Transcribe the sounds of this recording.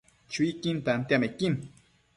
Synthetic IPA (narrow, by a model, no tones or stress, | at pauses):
t͡ʃʊjkɪnt̪ant̪jamekim